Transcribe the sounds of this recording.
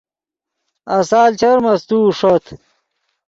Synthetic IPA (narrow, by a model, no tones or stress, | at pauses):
ɐsaːlt͡ɕɐɾmɐst̪uːʂot̪ʰ